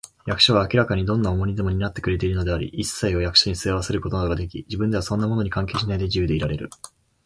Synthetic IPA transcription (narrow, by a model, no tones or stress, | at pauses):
jakɯ̟ɕoβ̞aːkʲiɾakaɲ̟id̪õ̞nːaomo̞ɲ̟id̪e̞mo̞ɲ̟inat̪ːe̞kɯ̟ɾe̞t̪̬e̞iɾɯ̟no̞d̪e̞aɾʲḭisːaiojakɯ̥ɕoɲ̟isɨaβase̞ɾɯ̟ko̞t̪o̞nad̪o̞ɡad̪e̞kʲid͡ʑibɯ̃nd̪e̞βasõ̞nːamo̞no̞ɲ̟ikãŋkeːɕinaid̪e̞ʑiɯd̪e̞iɾaɾe̞ɾɯ̟̰